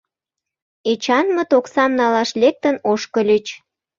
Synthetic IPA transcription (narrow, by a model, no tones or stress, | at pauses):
et͡ɕɑnmət̪oksɑmnɑlɑʃlek̚t̪ənoʃkəlʲyt͡ɕ